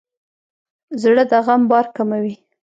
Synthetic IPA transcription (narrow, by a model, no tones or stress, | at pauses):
zɽəd̪aɣambɑɾkamawi